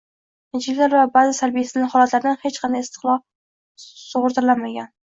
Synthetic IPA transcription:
ɪd͡ʒɪlɪkʲlaɾvabazɪsaɾbijasɪznlɪhɒlat̪laɾɪd̪anhet͡ʃqʰɑnd̪ajɪst̪ʰɪ̥qlˠɒ | sʊʁʊɾt̪ʰɪɾlanmaɡʲan

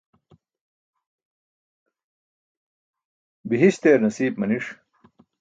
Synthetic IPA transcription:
biɦiɕt̪eːɾnɐsiːbmɐniʂ

